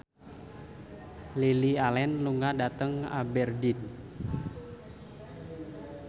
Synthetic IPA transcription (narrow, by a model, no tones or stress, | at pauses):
lilialɛnluŋadat̪əŋa̰bɛrdin